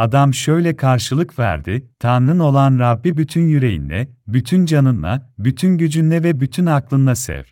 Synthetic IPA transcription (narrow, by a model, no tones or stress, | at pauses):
ad̪amʃø̞jlʲɛkʰaɾʃɯlˠɯkvæ̰ɾd̪ɪt̪ʰanɾɯno̞lˠanɾabːibyt̪ʰynjyɾe̞jḭnlʲɛ̰byt̪ʰynd͡ʒanɯnlˠa̰byt̪ʰynɟyd͡ʒynlʲɛvɛbyt̪ʰynaklˠɯnd̪ˠasɛ̰v̥